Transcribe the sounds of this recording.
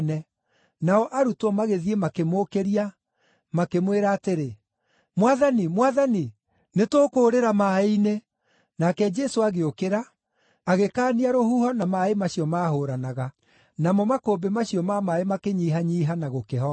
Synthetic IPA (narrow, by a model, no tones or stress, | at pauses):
nɛ | naɔʔaɾutɔmaɣeðiemakemoːkeɾia | makemweɾaːteɾe | mwaðanimwaðani | netokoːɾeɾamaːeine | nakɛd͡ʒɛsoaɣeokeɾa | aɣekaːniaɾohuhɔnamaemaɕiɔmaːɦoːɾanaɣa | namɔmakoːbemaɕiɔmamaemakeɲiːɦaɲiːɦanaɣokeɦɔ